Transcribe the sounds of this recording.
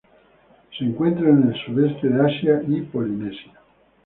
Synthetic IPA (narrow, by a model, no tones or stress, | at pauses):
siŋkwent̪ɾanelsud̪ɛst̪ed̪easjanipolinɛsja